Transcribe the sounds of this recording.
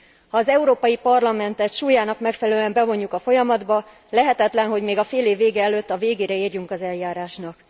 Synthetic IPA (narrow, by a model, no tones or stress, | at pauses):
hɒːzɛuɾoːpɒjipɒrlɒmɛnt̪ɛt̪ʃuːjaːnɒkmɛkfɛlɛlyɛmbɛvo̞ɲːukɒfo̞jɒmɒd̪bɒ | lɛɦɛt̪ɛt̪lɛnɦo̞ɟmeːɡɒfeːleːvːeːɡɛɛløːt̪ːɒveːɡeːɾɛiːrjuŋkɒzɛljaːɾaːʃnɒk